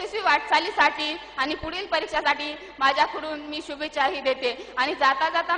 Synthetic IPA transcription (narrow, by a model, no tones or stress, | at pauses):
eɕiːʋaʈt͡saliːsaʈʰiː | aɽ̃ipuɽiːlpəɾikɕasaʈiː | mad͡ʑʱjakʰuɽuːnmiːɕubet͡ɕaɦiːd̪et̪eaɽ̃id͡zat̪ad͡zat̪a